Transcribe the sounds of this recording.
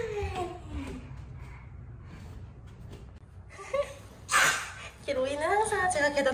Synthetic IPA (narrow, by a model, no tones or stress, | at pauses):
keɾoinɯnɦansʰat͡ɕeɡakeda